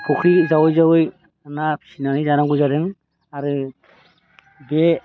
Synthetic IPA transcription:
kʰɔkʰɾizawɯjzawɯj | anapʰi̥sinanizanaŋɡujzadɯŋ | aɾɯ | be

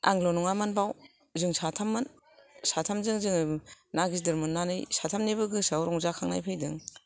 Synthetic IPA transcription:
a̰ŋlɔnɔŋamanbaw | zɯŋsatʰamːan | satʰamzɯŋzɯŋnaɡizdɯɾmɯnːanɯjsatʰamnebɯɡɯsawɾɔŋzakʰaŋna̰jpʰɯjdɯŋ

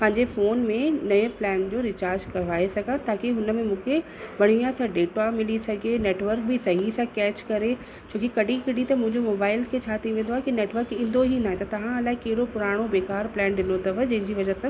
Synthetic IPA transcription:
pɐ̃ɦɪ̃ɲd͡ʑefoːnmẽnɐjə̃plɛːnd͡ʑoːɾɪt͡ɕaːɾd͡ʑkɐʋaːesɐɡʱə̃t̪aːkeɦʊnəmẽmũːkʰe | ʋɐɽ̤ijãsãɖeːʈamɪlisɐɡʱeneːʈʋəɾk̚bɪsɐɦisãkɛːt͡ɕkɐɾe | t͡ɕʰoːkikɐɗʱĩkɐɖĩt̪ɐmʊ̃ɦɪ̃ɲd͡ʑomoːbaːɪlkʰet͡ɕʰaːt̪ʰiʋẽːnd̪oaːɦekineːʈʋəːkiɪ̃ːn̆d̪ʱoɦinaːɦẽt̪ɐt̪ɐʋ̤ãɐlaːɪkɐɦɪɽopʊɾaːɽ̃obeːkaːɾplɛ̃ːnɗɪnot̪ɐʋəd͡ʑɐ̃ɦɪ̃ɲd͡ʑiʋɐd͡ʑəsãː

